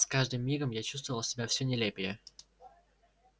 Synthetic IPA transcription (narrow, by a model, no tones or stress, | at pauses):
skaʐd̪ɨmːʲiɡəmjat͡ɕu̥st̪vəvəlˠsʲɪbʲafsʲonʲɪlʲepʲɪjə